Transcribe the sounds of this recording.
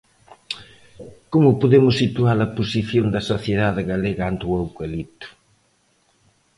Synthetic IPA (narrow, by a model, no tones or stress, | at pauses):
komʊpoðemʊsːit̪uaɾɐposiθjond̪ɐsoθjeðaðɪɣaleɣɐant̪uawkelit̪ʊ̥